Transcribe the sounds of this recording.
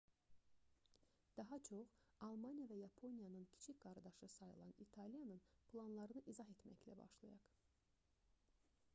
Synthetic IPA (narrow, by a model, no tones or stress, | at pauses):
d̪̥ɑɦɑt͡ʃʰo̞χɑlˠmɑnijɑvæjɑpʰo̞nijɑnɯncʰi̥t͡ʃʰicɡ̥ɑɾd̪ɑʃɯsɑjɯ̰lˠɑnit̪ʰɑlijɑnɯnplˠɑnlˠɑɾɯnɯʔizɑɦe̞t̪mæçlæ̰bɑ̰ʃlˠɑjɑk